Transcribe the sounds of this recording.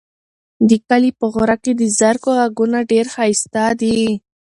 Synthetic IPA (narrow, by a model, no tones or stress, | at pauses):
d̪əkalipəɣoɾaked̪əzaɾkoɣaɡunaɖeɾxɑjst̪ad̪i